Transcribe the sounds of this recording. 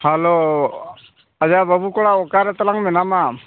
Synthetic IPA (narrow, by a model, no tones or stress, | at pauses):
halo | ad͡ʒabəbukɔɽaɔkaɾat̪alaŋmɛnama